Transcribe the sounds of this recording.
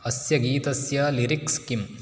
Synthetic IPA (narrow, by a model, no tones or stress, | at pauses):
ɐsjɐɡiːt̪ɐsjɐliɾikskim